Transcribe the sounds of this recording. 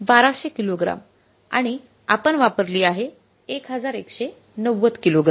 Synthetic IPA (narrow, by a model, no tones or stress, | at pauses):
baɾaɕekiloɡɾa̰m | a̰ɽ̃i | apəɳʋapəɾliːaɦe | ekɦəd͡zaɾekɕe | nəʋːət͡skiloɡɾa